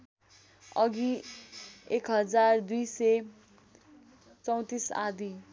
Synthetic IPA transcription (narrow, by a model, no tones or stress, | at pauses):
ʌɡi | ekɦʌd͡zard̪ujse | t͡sʌw̃t̪isa̰d̪i